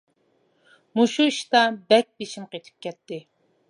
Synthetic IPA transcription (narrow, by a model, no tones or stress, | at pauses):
muʃuiʃt̪ɑbɛk̚ʲbeʃimqet̪ʰɪ̥p̚kʲʰɛt̪ːɪ